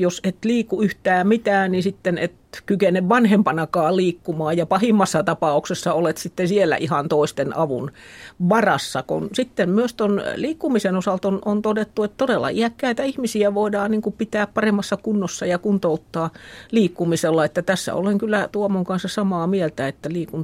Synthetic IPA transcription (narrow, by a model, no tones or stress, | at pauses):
joset̪liːkːuyht̪æːmit̪æːnnisit̪ːenḛt̪kykeneʋʋɑnhempɑnɑkɑːliːkːumɑːjjɑpɑhimːɑsːɑt̪ɑpɑuksesːɑolet̪sit̪ːesielːæ̰ʔihɑnt̪oˑist̪enɑ̰ʋṵnʋɑrɑsːɑkṵnsit̪ːemmyøst̪onliːkːumisenosɑlt̪onʔont̪odet̪ːuet̪t̪odelːɑ̰iækːæit̪æihmisiæʋoidɑːnniːŋkupit̪æːppɑremːɑsːɑkunːosːɑjɑkunt̪out̪ːɑːliːkːumiselːɑet̪ːæt̪æsːæ̰o̰leŋkylːˑæt̪uomoŋkɑnsːɑsɑmɑːmielt̪æet̪ːæliːkun